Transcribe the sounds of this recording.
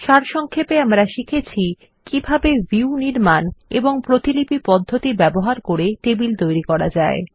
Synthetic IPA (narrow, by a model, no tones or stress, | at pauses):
ʃaɾʃɔŋkʰepeamɾaʃikʰet͡ɕʰi | kibʱabeviuniɾmanḛboŋpɾot̪ilipipɔd̪ʱːot̪ibɛboɦaɾkoɾet̪ebilt̪ojɾikɔɾad͡ʑae